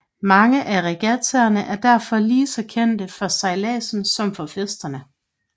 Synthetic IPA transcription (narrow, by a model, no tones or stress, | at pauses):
mɑ̈ŋəʔæʁɛɡ̥æt͡sʰæɐnəʔæɐd̥æɐ̰fɒ̽liːsɒ̽kʰen̰d̥əfɒ̽sɑ̈ɪlɛ̰ːsn̩sɒ̽mfɒ̽fesd̥ɐnə